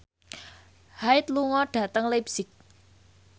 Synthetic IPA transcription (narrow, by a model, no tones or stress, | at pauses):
haɪt̪̚luŋɔɖ̥ä̤t̪əŋlebsɪk̚